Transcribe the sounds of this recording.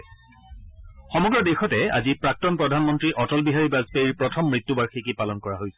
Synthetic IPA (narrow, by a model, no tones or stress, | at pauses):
xɔmɔɡɹɔdexɔtɛa̰zipɹak̚tɔnpɹɔdʱanmɔntɹiʔɔtɔlbiɦaɹibazpeiɹpɹɔtʰɔmːɹitːubaɹxikipalɔnkɔɹaɦojsɛ̥